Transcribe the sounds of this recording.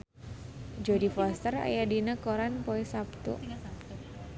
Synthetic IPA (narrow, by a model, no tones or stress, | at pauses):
d͡ʒodifɔst̪əra̰jadinəkoɾanpoesapt̪ṵʔ